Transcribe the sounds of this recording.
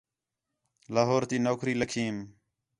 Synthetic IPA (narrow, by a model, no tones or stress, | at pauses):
laːɦoːɾt̪iːnoːkʰɾiːləkʰiːm